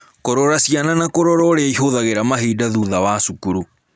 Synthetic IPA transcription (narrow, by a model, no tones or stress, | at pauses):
koɾɔɾasiananakoɾɔɾɔɾeaiɦoðaɣeɾamaɦiːdaðuːðawasukuɾu